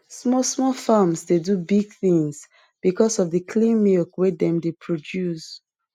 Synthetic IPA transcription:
smɔsmɔfamsdedubiɡ̚θĩŋs | b̥ikɔsɔvðəkʰlĩnmilkwedɛ̃mdepʰɹodjus

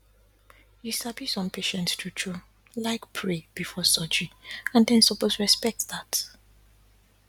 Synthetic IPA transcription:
jusabisɔ̃mpʰeʃɛ̃ntstʰutʰu | laɪkpʰɹeb̥ifɔsɔd͡ʒiãndɛ̃nsɔposɹɛspɛk̚tðat

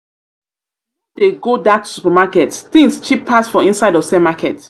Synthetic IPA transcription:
d̥eɡodatʰu̥supamakɛtθĩŋst͡ʃipʰːasfɹɔ̃ĩnsaɪdɔfsɛ̃makɛt

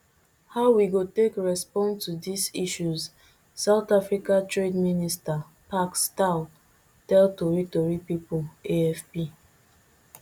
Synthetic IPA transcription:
haʊwiɡotekɹɛspɔ̃ntudisiʃuz | saʊtafɹikatɹedminista | paksta | tɛltoɹitoɹipipoleɛfpi

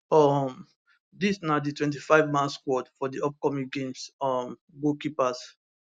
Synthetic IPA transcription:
ɔm | disnaʊditwɛ̃nt̬ifaɪvmãlskwɔdfɔdiɔp̚kɔmĩŋɡẽmsɔm | ɡokipas

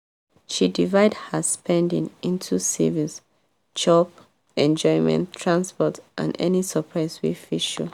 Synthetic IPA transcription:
ʃidivaɪdhəspɛ̃ndḭ̃ŋĩntʰusivĩs | t͡ʃɔp | ɛ̃nd͡ʒɔɪmɛ̰̃ntʰːɹãnspɔtʔã̰nɛ̰nisəpʰɹaɪswifiʃṵ

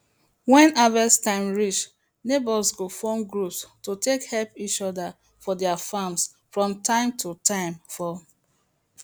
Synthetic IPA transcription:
wɛ̃navəstãɪ̃mɹit͡ʃ | nebɔsɡofɔ̃mɡɹupstotekhɛlpit͡ʃɔda | fɔdɛafams | fɹɔ̃mtãɪ̃mtʰutʰãɪ̃mfɔ

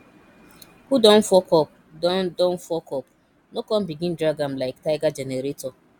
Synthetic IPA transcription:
hudɔ̃n̩fɔkɔp | dɔndɔn̩fɔkɔp | nokɔm̩biɡĩn̩dɾaɡam̩laɪktaɪɡad͡ʒeneɾetɔ

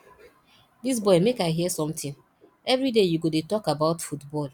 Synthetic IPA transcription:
dis̬bɔɪmekaɪɦiɛsɔ̃mtɪ̃n | ɛvɾidejuɡodetɔkabaʊtfutbɔl

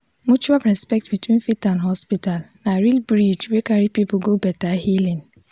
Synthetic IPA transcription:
mut͡ʃuapɾɛspɛk̚tbitwĩnfitãndɦɔspitalnaɾilbɾid͡ʒwekaɾipipʊɡobɛtahilĩn

